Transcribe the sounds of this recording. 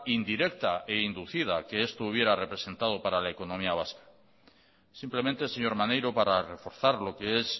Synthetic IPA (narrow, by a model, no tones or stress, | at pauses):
ind̪iɾe̞k̚t̪aʔeind̪uθið̞ake̞est̪ouβ̞je̞ɾare̞pɾe̞se̞nt̪að̞opaɾalaeko̞nõ̞miaβaskḁ | simple̞mẽnt̪eseɲo̞ɾmanejɾopaɾare̞fo̞ɾθaɾlo̞kees